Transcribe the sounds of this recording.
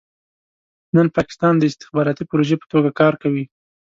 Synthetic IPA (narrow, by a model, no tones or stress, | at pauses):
nənpɑkɪ̥st̪ɑnd̪əɪst̪ɪ̥xbɑɾɑt̪ipɾoʒepə̥t̪oɡakɑɾkawi